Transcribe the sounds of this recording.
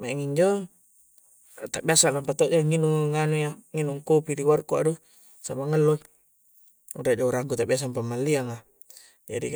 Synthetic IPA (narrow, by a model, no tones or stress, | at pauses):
maɛŋiɲd͡ʒɔ | t̪aʔbiasalampat̪ɔʔd͡ʒaŋinuŋŋːanujaŋinuŋkopidiwarkua̰du | samaŋəlːo | udaʔd͡ʒauɾaŋɡut̪aʔbias̬ampamːalːiaŋa | d͡ʒa̰dḭ